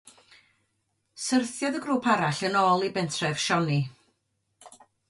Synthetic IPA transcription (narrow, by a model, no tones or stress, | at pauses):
sərθjɔðəɡɾuːpʰaɾaɬənɔːlˠibɛntʰrɛv̥ʃɔni